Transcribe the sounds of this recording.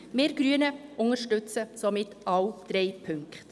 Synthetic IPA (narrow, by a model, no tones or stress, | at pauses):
mɪːɾɡɾyənəʔʊŋəɾʃtʏt͡səsomɪtɑwd̪̥ɾeɪpʰʏŋkχt